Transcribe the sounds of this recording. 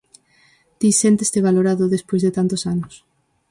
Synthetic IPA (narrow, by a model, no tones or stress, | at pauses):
t̪isent̪est̪eβ̞aloɾaðoðespojzðet̪ant̪osanos